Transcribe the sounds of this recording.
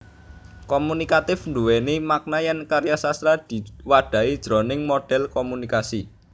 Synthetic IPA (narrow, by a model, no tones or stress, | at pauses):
kɔmunikat̪ɪfnd̪uwenemak̚najankaɾjasast̪ɾad̪̥i̤waɖ̥a̤id̥ʒ̥ɾɔ̤nɪŋmoɖ̥ɛ̤lkɔmunikasi